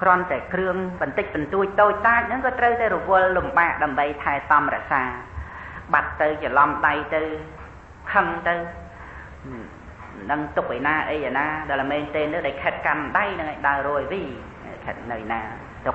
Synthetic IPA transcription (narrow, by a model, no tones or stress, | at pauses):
krŏənt̪aɛkrɨəŋɓɑnt̪ɨc̚ɓɑnt̪uəc̚t̪oːc̚t̪aːc̚nɨŋkɑːt̪rəwt̪aɛɾɔʋʊəlːumɓaːʔɗaəmɓəjt̪ʰaɛt̪ɑmrɛ̆əʔsaː | ɓat̪ːɨwt͡ɕəlɑmɗajt̪ɨw | kʰəŋt̪ɨw | nɨŋt̪uk̚ʔenaːʔəjʔanaːɗalmeːnt̪eːnɨɗajkʰɛːt̪̚kanɗajnɨŋʔaːjɗaəruəjʋḭː | kʰɛ̰ːt̪̚nɨjnaː | t̪uk